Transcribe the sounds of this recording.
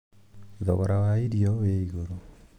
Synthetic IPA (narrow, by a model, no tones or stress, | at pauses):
ðɔβɔɾawaiɾiɔweiɣoɾo